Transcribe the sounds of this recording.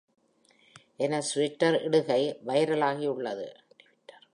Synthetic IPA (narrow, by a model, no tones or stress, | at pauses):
ʔɛnɐsʋɪʈːɐɾɪɽɯɣɐɪʋɐjɐɾɐlaːɣɪʊɭːɐðɯ̰ | ʈːɐɾ